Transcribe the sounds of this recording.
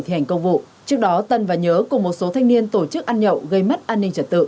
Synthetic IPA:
t̪i˨˧˩ha˨˩ŋ̟kə˧wŋ͡mvṵ˧˨ | t͡ɕɨ˦˥ək̚ɗɔ˨˦t̪ə˨˩nvaː˨˩ɲəː˨˦kʊ˨˩ŋ͡mmo˨˩t̚so˨˦t̪ʰa˧ŋ̟ni˧ənt̪o˧˩t͡ɕɨ˦˥k̚ʔaː˧nɲə̰˧˨wɣə˧jmə˦˥t̚ʔaː˧nːï˧ŋ̟t͡ɕə˨˧t̚t̪ɨ̰˧˨

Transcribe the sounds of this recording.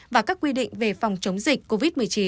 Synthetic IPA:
vaː˨˩kaː˦˥kːwi˧ɗḭ̈˧˨ŋ̟ve˨˩fɔ˨˩wŋ͡mt͡ɕə˨˦wŋ͡mzï˨˩k̟̚ʲko˧vi˦˥t̚mɨ˨˩əjt͡ɕi˨˦

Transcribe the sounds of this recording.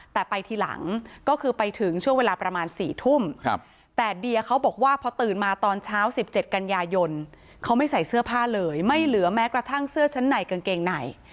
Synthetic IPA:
t̪ɛː˨˩pa˧jt̪ʰiː˧˩la̰˩˦ŋkɔː˥˩kʰɯː˧pa˧jt̪ʰɯ˨˩˦ŋt͡ɕʰu˥˩ŋweː˧laː˧pɾa˧maː˧nsiː˨˩t̪ʰu˥˩m˧ | t̪ɛː˨˩di˧əkʰa˦˥wbɔː˨˩k̚waː˥˩pʰɔ˧t̪ɯː˨˩nmaː˧t̪ɔː˧nt͡ɕʰaː˦˥wsi˨˩p̚t͡ɕe˨˩t̪̚ka˧njaː˧jo˧n | kʰa˦˥wma˥˩jsa˨˩jsɯ˥˩ɐpʰaː˥˩lɤː˧jma˥˩jlɯ˨˩˦ɐmɛː˦˥kɾa˧t̪ʰa˥˩ŋsɯ˥˩ɐt͡ɕʰa˦˥nːa˨˩jka˧nkeː˧ŋna˨˩j

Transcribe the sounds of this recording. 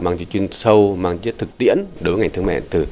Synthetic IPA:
maː˨˩ŋzḭ˧˨t͡ɕwi˧ŋsə˧wmaː˨˩ŋ˧˦˥t̪ʰɨ˨˩k̚t̪ḭ˧˥ənɗo˨˦vəː˨˦ŋa˨˩jt̪ɨ˧ə˧mɛ̰ː˧˨nt̪ɨ˨˩

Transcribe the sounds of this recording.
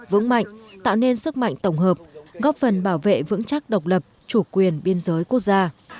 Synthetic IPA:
vɨ̰˧˥ŋma̰˧˨jŋ̟t̪a̰ː˧˨wne˧nsɨ˦˥k̚ma̰˧˨jŋ̟t̪ə˧˩wŋ͡mɦəː˨˩p̚ɣɔ˦˥p̚fə˨˩nɓaː˧˩wvḛ˧˨vɨ̰˧˥ŋt͡ɕa˦˥k̚ɗə˨˩wk͡p̚lə˨˩p̚t͡ɕu˧˩kwi˨˩ənɓi˧ənzəː˨˦jku˦˥ək̚zaː˧

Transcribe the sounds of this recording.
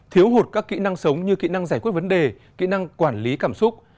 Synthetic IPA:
t̪ʰi˨˦əwɦo˨˩t̚kaː˦˥kːḭ˧˨na˧ŋsə˨˦wŋ͡mɲɨ˧kḭ˧˨na˧ŋzaː˧˩jkwt̚və˨˦nɗe˨˩ | kḭ˧˨na˧ŋkwaː˧˩nli˨˦kaː˧˩msʊ˦˥k͡p̚

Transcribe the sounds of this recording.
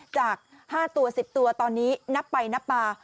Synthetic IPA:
t͡ɕaː˨˩k̚ | haː˥˩t̪u˧ɐsi˨˩p̚t̪u˧ɐt̪ɔː˧nːiː˦˥na˦˥pːa˧jna˦˥pːaː˧

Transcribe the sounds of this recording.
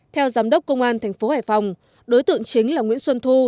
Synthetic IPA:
t̪ʰɛ˧wzaː˨˦mɗə˦˥wk͡p̚kə˧wŋ͡mʔaː˧nt̪ʰɛ˨˩jŋ̟fo˨˦haː˨˩jfa˨˩wŋ͡m | ɗo˨˦jt̪ɨ̰˧˨ə˨ŋt͡ɕï˨˦ŋ̟laː˨˩ŋwḭ˧˥nswə˧nt̪ʰu˧

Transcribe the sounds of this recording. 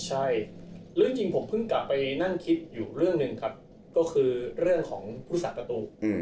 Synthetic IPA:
t͡ɕʰa˥˩jɾɯ˥˩əŋt͡ɕi˧ŋpʰo˩˦mpʰɯ˥˩ŋkla˨˩pːa˧jna˥˩ŋkʰi˦˥t̪̚juː˨˩ɾɯ˥˩əŋnɯ˨˧ŋkʰa˦˥p̚ | kɔː˥˩kʰɯː˧ɾɯ˥˩əŋkʰɔː˩˦ŋpʰu˦˥˦sa˨˩pɾa˧t̪uː˧˩

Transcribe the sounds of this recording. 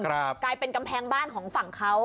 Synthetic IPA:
kʰɾa˦p̚klaː˧jpe˧nka˧mpʰɛː˧ŋbaː˥˩nkʰɔː˩˦ŋfa˨˩ŋkʰa˦˥w

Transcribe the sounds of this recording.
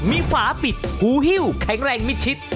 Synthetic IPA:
miː˧kʰwaː˩˦pi˨˩t̪̚huː˨˦ɦi˥˩wkʰɛ˩˦ŋɾɛː˧ŋmi˦˥t̪̚t͡ɕʰi˦˥t̪̚

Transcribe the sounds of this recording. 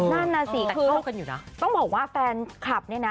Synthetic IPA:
na˥˩nːaː˧siː˨˩˦kːkʰɯː˧a˥˧˩ka˧njuː˨˩na˦˥t̪ɔ˥˩ŋbɔː˨˩k̚waː˥˩fɛː˧nkʰla˨˩p̚ni˥˩ɐna˦

